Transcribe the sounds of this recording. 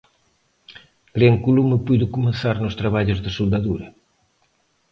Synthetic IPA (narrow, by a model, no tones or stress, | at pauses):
ɡ̥ɾeŋkuluməpujðʊkumẽθaɾnʊst̪ɾaβaʎʊzðɐsuld̪ɐðuɾɐ